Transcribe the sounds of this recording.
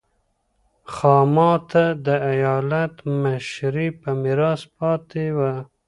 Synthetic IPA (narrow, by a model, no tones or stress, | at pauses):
xɑːmɑt̪ad̪əajɑːlat̪maʃɾipəmɪɾɑspɑt̪ewa